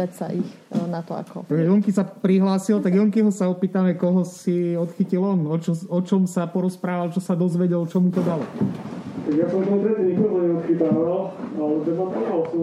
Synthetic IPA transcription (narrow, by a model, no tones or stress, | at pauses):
acsa̰ʔixnat̪ɔa̰kɔ̰t̪aɡʒɛjɔŋkisapɾiɦlaːsilt̪aɡjɔŋkiɦɔsaɔpiːt̪amɛkɔɦɔsiɔt̪xicilɔnɔt͡ʃɔɔt͡ʃɔmsapɔɾɔspɾaːʋalt͡ʃɔsad̪ɔzʋɛɟɛlt͡ʃɔmut̪ɔd̪alɔ | t̪aɡjasɔ̃mt̪ɔt̪ɾɛt̪ɲik̪ɔt̪ɔɲɛɔt̪xit̪aːʋalalɛt̪ɛb̪at̪ɔalsɔ